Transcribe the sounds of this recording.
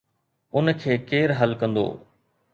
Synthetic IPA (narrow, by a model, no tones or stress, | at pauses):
ʊnkʰeːkeːɾɦɐlkɐ̃nd̪o̰ː